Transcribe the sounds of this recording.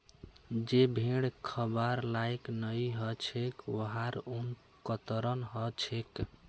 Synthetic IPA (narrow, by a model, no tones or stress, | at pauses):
d͡ʒebʱeɽkʰəbaɾlajknəjɦət͡ʃʰekwəɦaɾun | kət̪ɾənɦət͡ʃʰek